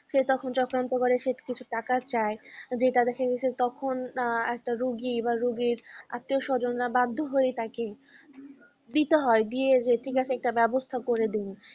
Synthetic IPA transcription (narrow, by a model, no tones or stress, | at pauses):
ʃet̪ɔkʰont͡ɕɔkɾant̪okoɾeʃeʈkit͡ɕʰuʈakat͡ɕaed͡ʑeʈad̪ɛkʰaɡet͡ɕʰet̪ɔkʰonɛk̚ʈaɾuɡibaɾuɡiɾa̰t̪ːioʃɔd͡ʑonɾabad̪ʱːoɦojet̪ake | d̪it̪eɦɔed̪ied͡ʑeʈʰikat͡ɕʰeɛk̚ʈabɛbost̪ʰakoɾed̪in